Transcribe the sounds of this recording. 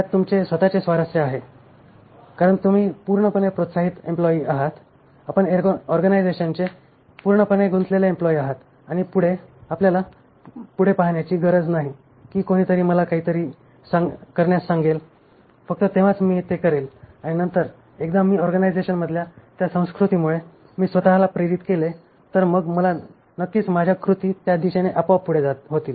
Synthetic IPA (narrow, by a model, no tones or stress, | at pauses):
at̪ːumt͡sesʋət̪at͡sesʋaɾəsjəaɦe | kaɾəɳt̪um̤iːpuɾɳəpəɳepɾot̪saɦit̪emplɔiːaɦat̪ | apəɳeɔɾɡənajd͡zeɕənt͡se | puɾɳəpəɳeɡunt͡s̪leljaemplɔiaɦat̪ | aɽ̃ipuɽ̤eapljala | puɽ̤epaɦɳjat͡ɕiːɡəɾəd͡znaɦi | kiːkoɽ̃iːt̪əɾiːməlakaɦiːt̪əɾiː | sakəɾɳjasːaŋɡel | fək̚t̪ət̪eʋat͡smiːt̪ekəɾelaɽ̃inənt̪əɾ | ekd̪amiːɔɾɡənajd͡zeɕənməd̪ʱljat̪jasə̃w̃skɾut̪iːmuɭe | miːsʋət̪aɦlapɾeɾit̪kele | t̪əɾməɡməla | nəkːiːt͡smad͡ʑʱjakɾut̪iːt̪jad̪iɕeneʔəpaapːuɽ̤ed͡zat̪ɦot̪iːl